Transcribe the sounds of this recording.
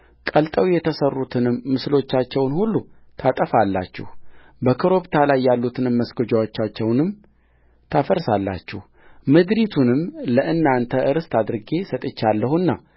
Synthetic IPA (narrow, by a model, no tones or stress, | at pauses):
kʼəlt̪ʼəwjɛt̪ʰəsərːut̪ʰɨnɨmːɨslo̞t͡ʃːat͡ʃːɛwnhulːu | t̪ʰat̪ʼəfalːa̰t͡ʃːɛ̰h | bəkʰəɾo̞βt̪ʰalajːalːut̪ʰɨnɨmːəsɡod͡ʒawo̞t͡ʃːat͡ʃːɛwnɨm | t̪ʰafəɾsalːa̰t͡ʃːɛh | mɨd̪ɾit̪ʰunɨmləʔɨnːant̪ʰəʔɨɾɨst̪ʰad̪ɨɾɨɡe̞sət̪ʼɨt͡ʃːalːəhuɨnːa